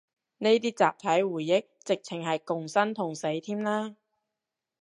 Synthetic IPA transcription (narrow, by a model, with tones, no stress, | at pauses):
ne˥jt̪iː˥t͡sa̰ː˨p̚t̪ʰɐ˨˥jwuː˨˩jːɪ˥k̚t͡sɪ˨k̚t͡sʰɪ˨˩ŋɦɐ˨jkʊ˨ŋsɐ˥nt̪ʰʊ˨˩ŋse˨˥jt̪ʰiː˥mlaː˥